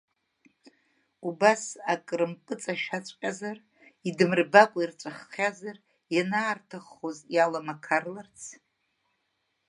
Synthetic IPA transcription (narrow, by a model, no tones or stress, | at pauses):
ubasakʼrɨmkʼɨt͡sʼaʃat͡ʃʷʼqʲʼazar | idɨmrbakʷʼairt͡ʃʷʼaχːʲazar | janaːrtʰaχozjalamakʰarlart͡sʰ